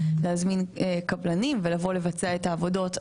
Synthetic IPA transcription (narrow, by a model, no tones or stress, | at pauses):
leazminekablanimvelavo̞le̞vat͡seaetaːvo̞do̞t